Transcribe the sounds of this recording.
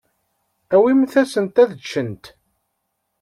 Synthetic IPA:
æwimθæsənt̪æðət͡ʃːənt̪

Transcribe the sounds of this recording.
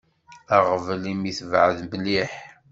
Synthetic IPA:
æʁvəlimiθvʕəðbəlːiħ

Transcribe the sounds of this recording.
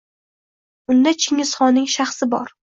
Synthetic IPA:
ʊnd̪at͡ʃʰɪŋɪsχɒnɪŋʃaχsɪbɒ̰ɾ

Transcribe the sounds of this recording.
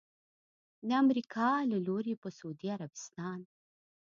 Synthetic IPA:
d̪əamɾikʰɑlaloɾepəsud̪iaɾabɪst̪ɑn

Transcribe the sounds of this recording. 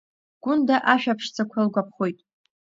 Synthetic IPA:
ɡ̥ʷʊndaʔaʃᶣapʰʂt͡sʰakʷʰalɡʷapʰχo̞jtʼ

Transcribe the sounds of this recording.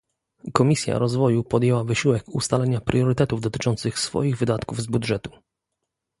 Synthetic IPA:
kɔmʲisʲja̰ɾɔzvɔjupɔd̪jɛwavɘɕiwɛkust̪alɛɲapɾjɔɾɘt̪ɛt̪uvd̪ɔt̪ɘ̥t͡ʂɔnt̪sɘxsfɔ̰jiɣvɘd̪at̪kuvzbud̪ʐɛt̪u̥

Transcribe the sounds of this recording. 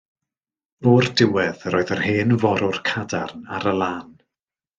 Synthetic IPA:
voːrdɪwɛðroːɨðəheːnvɔɾʊrkʰadarnaɾəlˠaːn

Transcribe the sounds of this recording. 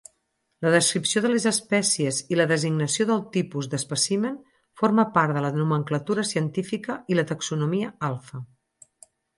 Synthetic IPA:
ləðəskɾipsioðəlezəspɛsiəziləðəziɡnəsioðəlˠt̪ipuzðəspəsimen | foɾməpaɾt̪ðələnuməŋklət̪uɾəsiənt̪ifikəilət̪əksunumiəalˠfə

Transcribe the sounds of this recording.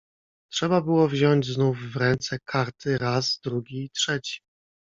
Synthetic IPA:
tʂɛbabɘwɔvʑɔɲd͡ʑznufːɾɛnt̪sɛkʰaɾt̪ʰɘɾazd̪ɾuɡʲiːtʂɛt͡ɕi̥

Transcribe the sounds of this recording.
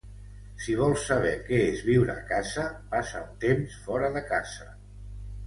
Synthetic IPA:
siβ̞ɔlˠsːəβ̞ɛkɛezβiwɾəːkazəpasaunt̪emsfɔɾəðəkaz̥ə

